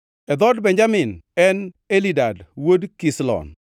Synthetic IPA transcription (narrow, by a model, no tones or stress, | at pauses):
ɛd̪ɔdbɛɲd͡ʒamɪnɛn | elidadwodkislɔ̰n